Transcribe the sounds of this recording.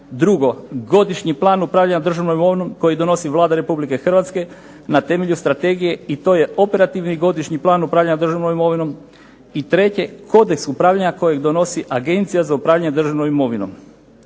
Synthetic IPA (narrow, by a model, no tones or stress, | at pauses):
d̪ɾuɡo̞ɡo̞d̪iʃɲiplˠaːnupɾaʋʎaɲad̪r̩ʒaʋnomimoʋinomko̞jid̪o̞no̞siʋlˠaːd̪aɾe̞publike̞xr̩ʋat̪ske̞ | nat̪e̞me̞ʎust̪ɾat̪e̞ɡije̞it̪o̞ːje̞o̞pe̞ɾat̪iʋniɡo̞d̪iʃɲiplˠaːnupɾaʋʎaɲad̪r̩ʒaʋnomimo̞ʋino̞m | it̪ɾe̞t͡ɕe̞ko̞d̪e̞ksupɾaːʋʎaɲako̞jeɡd̪o̞no̞siʔaɡe̞nt̪sijazaupɾaːʋʎʲaɲed̪r̩ʒaʋnomimo̞ʋino̞̰m